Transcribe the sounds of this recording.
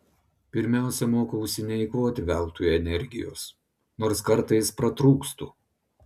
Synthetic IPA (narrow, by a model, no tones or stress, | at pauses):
pʲɪɾʲmʲæˑʊsʲɛmoːkɐʊʃʲsʲɪnʲɛɪkoːt̪ʲɪʋʲæˑlˠˑt̪uːjɛnʲɛɾʲɡʲɪjo̰ːs | noːɾskɐɾt̪ɐɪspɾɐt̪ɾuːkst̪ṵː